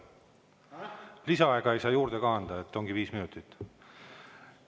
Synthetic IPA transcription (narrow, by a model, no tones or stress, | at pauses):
lisɑɑeɡ̥ɑe̞jsɑːjuːɾd̪e̞kɑɑnd̪ɑe̞t̪ːo̞ŋɡ̥iviːsminut̪ːˑit̪ː